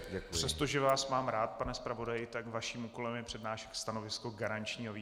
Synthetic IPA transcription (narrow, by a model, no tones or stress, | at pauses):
ɟɛkpr̥ɛst̪o̞ʒɛvaːsmaːmɾaːt̪̚panɛspɾavo̞dajɪt̪akvaʃiːmuːko̞lɛmjɛpr̥ɛdnaːʃɛ̥kst̪anovɪskoɡaɾant͡ʃɲiːɦoviː